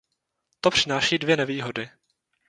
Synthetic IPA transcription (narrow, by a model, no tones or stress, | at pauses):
t̪opr̝̥ɪnaːʃiːdvjɛnɛviːɦodɪ